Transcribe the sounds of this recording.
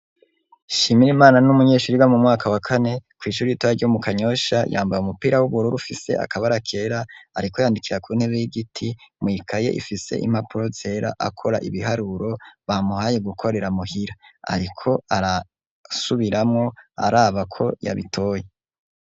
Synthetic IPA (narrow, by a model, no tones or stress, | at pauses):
ʃiːmiɾimaːnanumuɲe̞ːʃuɾiɡwamumŋaːkʰawakʰanekwiːʃuɾiitojaɾɟomukʰaɲo̞ʃaja̰ːmbajumupiːɾawuβuɾuɾufise̞̰a̰kaβaɾakʰe̞ːɾaːɾiko̞jaːndikiɾakuːn̥he̞βejiɡitʰimwiːkʰaje̞̰ʔḭfise̞̰ʔḭm̥hapuɾo̞z̥e̞ɾa̰ʔa̰kʰo̞ɾa̰ʔiβiɦaɾuɾo̞βamuhaje̞ɡukʰo̞ɾe̞ɾamuhiɾaa̰ɾikʰo̞aɾa | suβiɾamŋo̞a̰ɾaːβakʰo̞̰ja̰βḭtʰo̞ːje